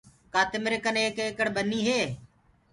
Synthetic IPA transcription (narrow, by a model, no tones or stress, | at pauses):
kaːt̪ɪmɾɪkəneːkeːkəɽɓəniːɦeː